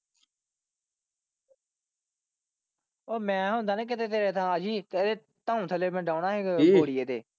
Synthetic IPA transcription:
oːmɛ̃ːɦõːnd̪aːnẽːk̬ɪt̪eːt̪eːɾeːt̪ʰãːəd͡ʒiːt̪eɾeː | t̪aːũːt̪ʰəleːmɛ̃ːɖaːʊnaːɦeːɡoːɽɪjeːt̪eː

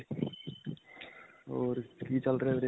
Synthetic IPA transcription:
ɔːɾkit͡ʃəlɾəɦeɾe

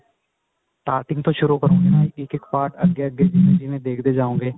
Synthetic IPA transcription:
ʈaːɾʈɪ̃ŋɡ̚t̪ʰoʃʊɾukəɾõːɡenãːiɪkɪkpaːɾʈɐɡjeəɡjed͡ʒiːmẽd͡ʒiːmẽd̪eːkʰd̪ed͡ʒaːũːɡeː

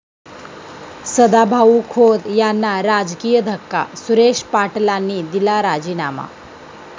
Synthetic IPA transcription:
səd̪abʱaukʰod̪janːaɾad͡zkijəd̪ʱəkːa̰suɾeʂpaʈlanːiːd̪ilaɾad͡ʑiːnama̰

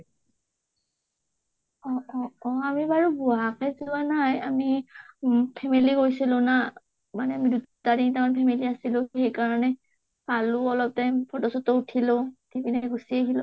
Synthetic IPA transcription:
ɔɔɔamibaɹubuakɛzuanajami | pʰɛmiliɡojsilʊ̃na | manɛamidutadintamanpʰɛmiliasilʊ̃xejkaɹɔnɛ | balʊɔlɔp̚tapʰɔtɔsɔtɔutʰilotʰibinɛɡusieɦilõ

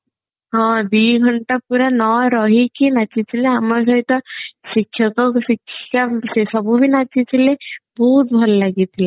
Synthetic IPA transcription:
ɦɔ̃d̪iɡʱɔɳʈapuɾanɔɾɔɦikinat͡ʃit͡ʃʰileamɔɾs̬ɔɦit̪ɔsikʰːjɔkɔksikʰːkasesɔbubʱinat͡ʃit͡ʃʰilebɔɦut̪̚bʱɔllaɡit̪ʰile

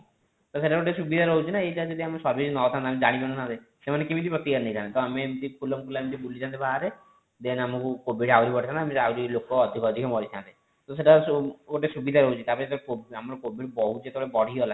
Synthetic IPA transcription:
t̪ɔseʈaoʈesubid̪ʱaɾɔɦut͡ʃʰinaeʈad͡ʒɔd̪iamesɔɾbid͡ʒnɔt̪ʰãnt̪amed͡ʒaɽ̃ibenɔt̪ʰãnt̪e | semanekimit̪ipɾɔt̪ikaɾnejt̪ʰãnet̪ɔamemt̪ipʰulɔmkulamit̪ibulit͡ʃʰant̪ibaɦaɾe | d̪enamɔkukobʱiɖawɾibɔʈʰit̪ʰant̪amiawɾilokɔːd̪ʱikɔd̪ʱikʰɔmɔɾit͡ʃʰãnt̪e | t̪ɔseʈaɡoʈesubid̪ʱaɾɔɦut͡ʃʰit̪apɔɾet̪kobamɾɔkobʱiɖbɔɦut͡ʃʰet̪ɔɔɭebɔɽ̤ʱiɔla

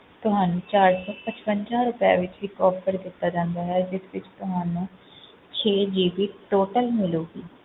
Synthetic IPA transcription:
t̪ʊɦaːnũːt͡ʃaːɾsɔːpət͡ʃpəɲd͡ʒãːɾʊpa̰ːʋɪt͡ʃʋiːkɔːpʰəɾd̪ɪt̪ːaːd͡ʒãːnd̪aːɦɛːd͡ʒɪsʋɪt͡ʃt̪ʊɦaːnũː | t͡ʃʰeːd͡ʒiːpiːʈoːʈəlmɪloːɡiː

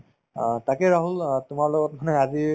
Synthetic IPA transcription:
takɛɹaɦultʊmaɹlɔɡɔt̚manɛazi

